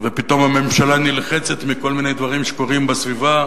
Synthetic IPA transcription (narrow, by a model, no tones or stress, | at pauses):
vepit̪o̞mame̞mʃalanilχet͡set̪miko̞lminejd̪vaʁimʃeko̞ʁimbesviva